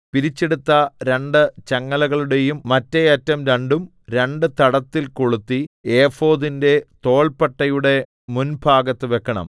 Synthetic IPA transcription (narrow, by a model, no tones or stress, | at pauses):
piɾit͡ɕːe̞ɽut̪ːɐɾe̞ɳɖɨt͡ɕɐŋːɐlɐɣɐɭuɽe̞jumːɐtːeɐtːɐmɾɐɳɖum | ɾe̞ɳɖɨt̪ɐɽɐt̪ːilko̞ɭut̪ːieːfo̞ːðinde̞t̪o̞ːɭpɐʈːɐjuɽe̞ | munbʰʱaːɡɐt̪ːɨʋe̞kːɐɳɐ̰m